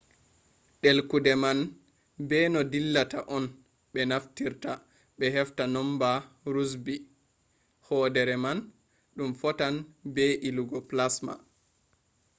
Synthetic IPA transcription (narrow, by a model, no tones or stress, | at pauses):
ɗelkudɛman | bɛnɔdilːataʔɔn | ɓɛnaftiɾta | ɓɛɦɛftanɔmba | ɾus̬bi | hɔdɛɾɛman | ɗumfɔtanbɛʔiluɡɔplasma̰